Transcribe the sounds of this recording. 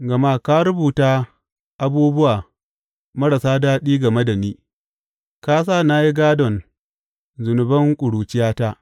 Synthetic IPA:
ɡɐ˨ma˦ka˦ɾʊ˦buː˨taː˦ | ʔa˦buː˦bʊ˦waː˨ | mɐ˦ɽɐ˨saː˦daː˦ɗiː˦ɡɐ˨me˦da˨niː˦ | ka˦s̬aː˦˨na˦ji˦ɡaː˦dɔ˨n | zʊ˨nʊ˨bɐ˦ŋkʷʼʊ˨ɽuː˨t͡ʃɪ˦jaː˦ta˦ʔ

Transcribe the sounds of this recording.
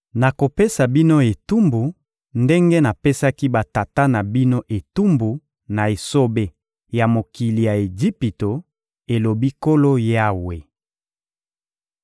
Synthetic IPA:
na˨ko˨pe˦sa˨bi˦no˦e˨tu˦mbu˨ | nde˦ŋɡe˦na˨pe˦sa˦ki˦ba˨ta˨ta˦na˨bi˦no˦ʔe˨tu˦mbu˨ | na˨e˨so˦be˦ | ja˨mo˨ki˨li˨ja˨e˨d͡ʒi˦pi˨to˨ | e˨lo˨bi˦ko˦lo˦ja˦we˨

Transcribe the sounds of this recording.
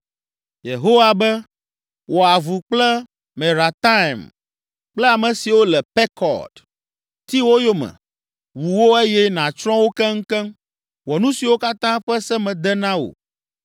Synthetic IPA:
je˨ɦo˦wa˦bɛ˦ | wo˨a˨vu˨k͡plɛ˦ | mɛ̃˨ɾa˨t̪a˦˨m | k͡plɛ˦a˨mɛ̃˨si˨wo˦lɛ˨pɛ˦kʰɔ̰˨d | t̪i˦wo˦jo˦mɛ̰̃˨ | wu˨wo˦e˦jɛ˦nã˨t͡ʃɾɔ̃˦wo˦kɛ˦ŋ̩˦kɛ˦m | wɔ˨nũ˦si˨wo˦ka˦t̪ã˦ɸɛ˦sɛ˦mɛ̃˨d̪ɛ˦nã˦wo̰˨

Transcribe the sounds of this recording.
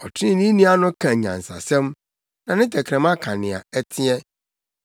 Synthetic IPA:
ɔ˨tʰĩ˦nĩ˦nĩ˦a˦nʊ̃˦kʰã˨ɲã̰˨n̩˨sa̰˨sɛ̃˦m | nã˨nɪ̃˦tɛ˨kʰɾɛ̃˨ma˦kʰa˨nɪ̰̃˨a̰˨ɛ˦tʰɪ˦ɛ˦

